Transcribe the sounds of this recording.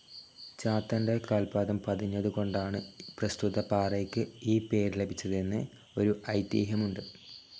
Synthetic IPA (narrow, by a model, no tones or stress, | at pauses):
t͡ɕaːt̪ːɐndekaːlpaːðɐmpɐðiɲːɐðɨko̞ɳɖaːɳɨprɐst̪uðɐpaːreːkːɨiːpe̞ːɾilɐbʱit͡ɕːɐðenːɨ | o̞ɾuʔɐjt̪jiːɦɐmuɳɖɨ